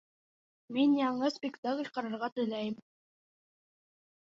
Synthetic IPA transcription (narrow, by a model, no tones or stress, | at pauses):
minjɑɴɤspʲɪkt̪aklʲqɑɾɑɾʁɑt̪ɵ̆jlæjɘm